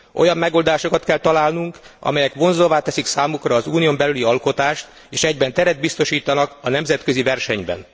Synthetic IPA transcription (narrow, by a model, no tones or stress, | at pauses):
ʔo̞̰jɒmːɛɡo̞ld̪aːʃo̞kɒt̪kɛlt̪ɒlaːlnuŋkɒ̰mɛjɛkʋo̞nzovaːt̪ɛsiksaːmukrɒːzuːnio̞mbɛlyliɒlko̞t̪aːʃt̪ | eːʃɛɟbɛnt̪ɛɾɛd̪̚bist̪o̞ʃiːt̪ɒnɒkɒnɛmzɛt̪kø̞zivɛrʃɛɲbɛ̰n